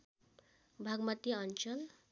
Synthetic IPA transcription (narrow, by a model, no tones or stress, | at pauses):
bʱaɡmʌt̪iʌnt͡ʃʌl